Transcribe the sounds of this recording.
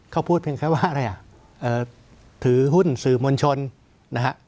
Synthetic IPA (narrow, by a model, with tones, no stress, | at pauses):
kʰa˥˩wpʰuː˥˩t̪̚pʰi˧əŋkʰɛː˥˩waː˥˩ʔa˧ɾa˧jʔa˨˩ʔ | ʔɤː˨˩ | t̪ʰɯː˩˦hu˥˩nsɯː˨˩mo˧nt͡ɕʰo˧n | na˦˥kʰa˦˥ʔ